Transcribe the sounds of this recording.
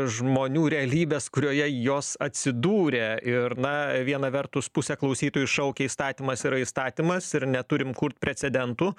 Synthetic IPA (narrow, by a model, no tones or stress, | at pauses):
ʒmoːnʲuːɾʲɛɐlʲiːbʲeːskʊɾʲoːjɛjoːssɐt̪ʲsʲɪd̪uːɾʲeɪɾnɐʋʲiɛnɐʋʲɛrt̪ʊspusʲɛklˠɐʊsʲiːt̪oːjuɪʃɐʊkʲɛiːst̪ɑːt̪ʲiːmɐsiɾɐist̪ɑːt̪ʲimɐsɪɾnʲɛt̪ʊɾʲɪmkʊɾt̪̚pʲɾʲɛt͡s̪ʲɛd̪ʲɛnt̪uː